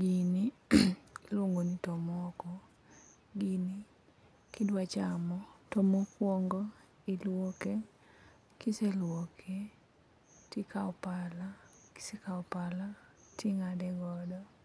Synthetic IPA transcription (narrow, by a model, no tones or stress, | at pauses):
ɡini | lwoŋɡonitɔmɔkɔ | ɡini | kidwat͡ʃamɔtomokwɔŋɡɔ | ilwɔke | kiselwɔkʰe | tikaɔpalaki̥sekaɔpalatʰiŋadɛɡɔdɔ